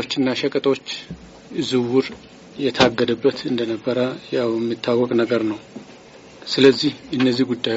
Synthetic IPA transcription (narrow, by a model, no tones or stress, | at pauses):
ot͡ʃːɨnːaʃɛkʼət̪ʼo̞t͡ʃː | ɨzɨwuɾ | jɛt̪ʰəaɡːəd̪əbːət̪ɨnd̪ənəbːəɾəjawjɛmːit̪ʰːawːɔkʼnəɡəɾnəw | sɨləzːihɨnːəzːihɡud̪ːaj